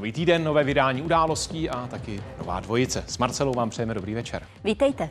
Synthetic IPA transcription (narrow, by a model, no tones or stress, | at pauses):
oviːt̪iːdɛnːo̞vɛːvɪdaːɲiːʔudaːlo̞sciːʔat̪akɪno̞̰va̰ːdvo̞jɪt͡sɛsmaɾt͡sɛlowvaːmpr̥ɛjɛmɛdo̞bɾiːvɛt͡ʃɛ̰ɾ | viːt̪ɛjt̪ɛ